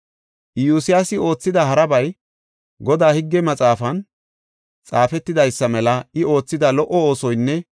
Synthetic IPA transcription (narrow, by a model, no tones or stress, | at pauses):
ʔjuːsɪjasɪo̞ːt͡sːɪd̪ɐɦɐɾɐbɐj | ɡɔd̪aːhɪɡːɛmɐt͡sʼaːfɐn | t͡sʼaːfɛt̪ːɪd̪ɐjsːɐmɛlɐɪo̞ːt͡sːɪd̪ɐlɔʔɔo̞ːsɔjnːɛ